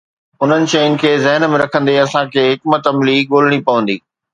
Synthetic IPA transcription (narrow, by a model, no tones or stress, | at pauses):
ʊn̤ənɪ̆ʃɐjʊnɪ̆kʰeːzɐɦnmẽɾɐkʰə̃nd̪eɐsãkʰeːɦɪkmət̪ɐmliːɠoːl̤ɪɽ̃ipɐʋə̃nd̪iː